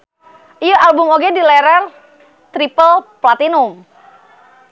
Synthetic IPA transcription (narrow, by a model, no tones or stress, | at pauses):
ʔijɔalbʊmoɡɛdilɛɾər | t̪ɾipəlplat̪inʊm